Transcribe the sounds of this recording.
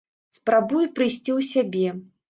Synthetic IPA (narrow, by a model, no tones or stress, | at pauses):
spɾabujupɾɨjsʲt͡sʲiwsʲabʲɛ